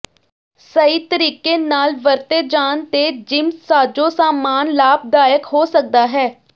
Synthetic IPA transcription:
səiːt̪əɾiːkeːnaːlʋəɾt̪eːd͡ʒaːnt̪eːd͡ʒɪmsaːd͡ʒõːsaːmaːnlaːb̚d̪aːjəkɦoːsək̚d̪aːɦɛː

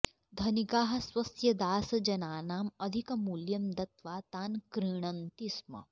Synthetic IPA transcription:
d̪ʱɐnikaːɦɐ̆swɐsjɐd̪aːsɐd͡ʒɐnaːnaːmɐd̪ʱikɐmuːljɐmd̪ɐt̪ʋaːt̪aːnkɾiɽ̃ɐnt̪ismɐ̰

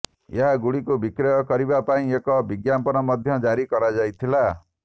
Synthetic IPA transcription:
eɦaɡuɽikubikɾɔjɔkɔɾibapaĩekɔbiɡjampɔnɔmɔd̪ʱjɔd͡ʒaɾikɔɾad͡ʒajt̪ʰila

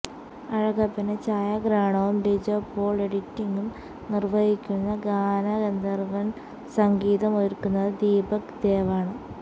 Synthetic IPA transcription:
ɐɻɐɣɐpːɐnet͡ɕaːjɐɡɾaːɳɐʋumɖid͡ʑopːoːɭeɽitːiŋɡum | nirʋɐjikʲːunːɐɡaːnɐɣend̪ɐrʋɐn | sɐŋɡiːðɐmojiɾkːunːɐðɨd̪iːbɐkd̪eːʋaːɳɨ

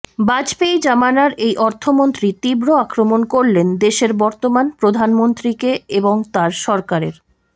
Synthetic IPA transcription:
bad͡ʑpejd͡ʑamanaɾejʔɔɾt̪ʰomont̪ɾit̪ibɾoakɾomonkoɾlend̪eʃeɾbɔɾt̪omanpɾod̪ʱanmont̪ɾikeeboŋt̪aɾʃɔɾkaɾḛɾ

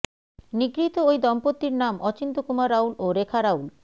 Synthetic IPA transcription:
niɡɾit̪oojd̪ɔmpot̪ːiɾnamɔt͡ɕint̪okumaɾawloɾekʰaɾawl

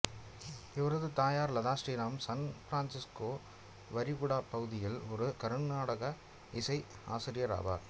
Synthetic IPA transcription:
ɪʋɐɾɐðɯt̪aːjaːɾlɐðaːsʈiːɾaːmsɐnfɾaːnsɪskoː | ʋɐɾɪɣʊɽaːpɐɣɯðɪjɪlɔɾɯkɐɾɯɳnaːɽɐɣɐ | ɪsɐɪ | a̰ːsɪɾɪjɐɾa̰ːba̰ːɾ

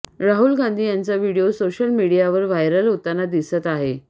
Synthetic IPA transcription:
ɾaɦulɡãnd̪ʱiːjant͡saʋiɽijosoɕəlmiɽijaʋəɾʋajɾəlɦot̪anːad̪isət̪aɦe

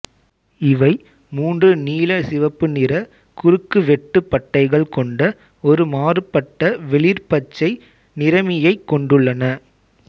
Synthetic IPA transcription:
ɪʋɐɪ | muːndrɯniːlɐsɪʋɐpːɯnɪɾɐ | kʊɾɯkːɯʋɛʈːɯpːɐʈːɐɪɣɐɭkɔɳɖɐ | ɔɾɯmaːrɯpːɐʈːɐʋɛɭɪɾpɐt͡ʃːɐɪ | nɪɾɐmɪjɐɪkːɔɳɖɯɭːɐnɐ

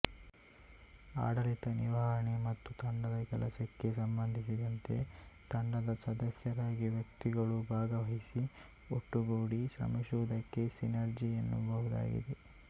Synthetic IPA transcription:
a̰ːɽɐlit̪ɐniʋaːɾɐɳemɐt̪ːut̪ɐɳɖɐd̪ɐkɛlɐsɐkːe̞sɐmbɐnd̪ʱisid̪ɐnt̪e̞̰t̪ɐɳɖɐd̪ɐsɐd̪ɐsjɐɾaːɡiʋjɐkt̪iɡɐɭubʱaːɡɐʋɐɦisi | o̰ʈːuɡoːɽiʃɾɐ̰mɐʃud̪ɐkːe̞sinɐɾd͡ʒijɐnːṵbʱɐɦud̪a̰ːɡḭd̪e

